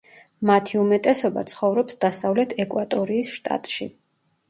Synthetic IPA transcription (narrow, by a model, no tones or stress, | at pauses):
mat̪ʰiumɛt̪ʼɛsɔba̰t̪sʰχɔvɾɔpsd̪asavlɛt̪ʰɛkʼwat̪ʼɔɾiːsʃt̪ʼa̰t̪ʼʃḭ